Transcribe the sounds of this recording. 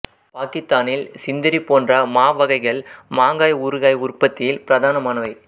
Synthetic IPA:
paːkɪst̪aːnɪlsɪnd̪ɐɾipoːndrɐmaːʋɐɣɐɪɣɐɭmaːŋɡaːjʊɾɯɣaːjʊrpːɐt̪ːɪjɪlpɪɾɐðaːnɐmaːnɐʋɐɪ

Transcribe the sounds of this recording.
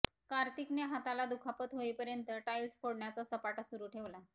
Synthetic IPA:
kaɾt̪ikneɦat̪alad̪ukʰapət̪ɦoipəɾjənt̪əʈajʋsfʰoɽɳjat͡sasəpaʈasuɾuːʈʰeʋla

